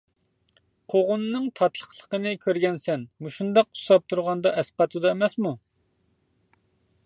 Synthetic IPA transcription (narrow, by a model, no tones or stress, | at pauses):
qʰoʁʊmnɨŋt̪ʰɑt̪lˠəχlˠə̥qənɨkʲʰøɾɡʲɛnsɛnmuʃund̪ɑqːu̥sɑp̚t̪ʰuɾʁɑnd̪ɑʔɛsqɑt̪ʰud̪ɑemɛsmu